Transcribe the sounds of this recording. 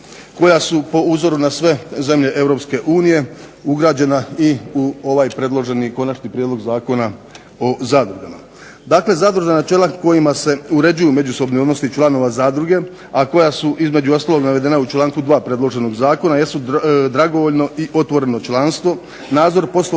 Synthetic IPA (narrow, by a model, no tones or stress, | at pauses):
ko̞jasupo̞uzo̞ɾunasʋe̞ze̞mʎe̞ʔe̞ʋɾo̞pske̞ʔuːnije̞uɡɾaːd͡ʑe̞naiuo̞ʋaːjpɾe̞d̪lˠo̞ʒe̞niko̞nat͡ʃnipɾʲjed̪lo̞ɡzaːko̞na | ozaːd̪ɾuɡama | d̪aːkle̞zad̪ɾuʒenat͡ʃe̞ːlako̞jimase̞uɾe̞d͡ʑujume̞d͡ʑuso̞bnio̞d̪no̞st̪it͡ʃlˠano̞ʋazaːd̪ɾuɡe̞ | ako̞jasuʔizme̞d͡ʑuo̞st̪aːlo̞ɡnaʋe̞d̪e̞naut͡ʃlˠaːŋkud̪ʋaːpɾe̞d̪lo̞ʒe̞no̞ɡzaːko̞naje̞st̪ud̪ɾaɡoʋoʎno̞iʔo̞t̪ʋo̞ɾe̞no̞t͡ʃlˠaːnst̪ʋo̞ | naːd̪zo̞ɾpo̞slo